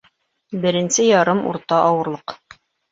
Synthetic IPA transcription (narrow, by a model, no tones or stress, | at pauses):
bɘ̆ɾɘ̆nsɘjɑɾɤmṵɾt̪ɑʔɑwɤ̆ɾlˠɤq